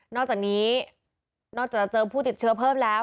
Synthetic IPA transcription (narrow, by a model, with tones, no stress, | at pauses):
nɔː˥˩k̚t͡ɕaː˨˩niː˦˥ | nɔː˥˩k̚t͡ɕaː˨˩k̚t͡ɕɤː˧pʰuː˥˩t̪i˨˩t̪̚t͡ɕʰɯ˦˥ɐpʰɤː˥˩mlɛː˦˥w